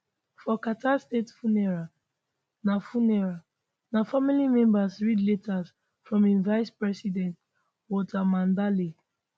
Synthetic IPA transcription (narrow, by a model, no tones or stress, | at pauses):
fɔkatastetfunɛɹa | nafunɛɹa | nafamilimɛ̃mbasɹidletʰaz | fɹɔ̃mĩnvaɪspɹɛsidɛ̃nt | wɔtʰamãndali